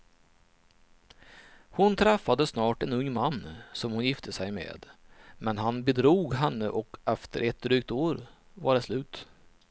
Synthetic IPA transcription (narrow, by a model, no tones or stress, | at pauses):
hʊnt̪ʰɾɛfːad̪əsnɑːʈɛnɵŋːmanːsɔmhʊnjɪft̪ʰəsɛjmḛːd̪mɛnɦanbɛd̪ɾuːɡɦɛnːəʔɔkɛft̪əɾʔɛt̪̚d̪ɾyːk̚t̪oːɾ | vaɖɛslʉ̟ːt̪